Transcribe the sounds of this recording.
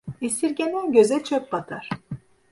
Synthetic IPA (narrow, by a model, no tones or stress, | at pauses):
isiɾɟʲenɛnɟøzɛt͡ʃʰøp̚bat̪ʰaɾ̥